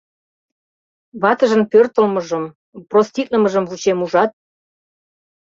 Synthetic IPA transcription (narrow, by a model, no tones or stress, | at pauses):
βɑt̪əʒənpørt̪ə̆lmɤ̆ʒəm | prost̪ʲik̪̚nəməʒəmvut͡ɕemuʒɑt̪̚